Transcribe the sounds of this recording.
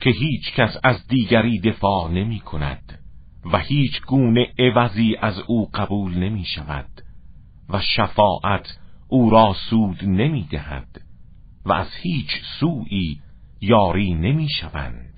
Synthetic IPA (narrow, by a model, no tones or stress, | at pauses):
kʰe̞ɦiːt͡ʃʰcʰæsæzd̪iːɡæɾiːd̪e̞fɒːne̞miːkʰonæ̰d̪̥ | væhiːt͡ʃʰɡuːne̞ʔevæziːʔæzuːɢæbuːlne̞miːʃævæ̰d̪̥ | væʃæfɒːʔæt̪ʰʔuːɾɒːsuːd̪ne̞miːd̪ehæ̰d̪̥ | væ̰æz̥hiːt͡ʃʰsuːʔiː | jɒːɾiːne̞miːʃævæ̰nd̪̥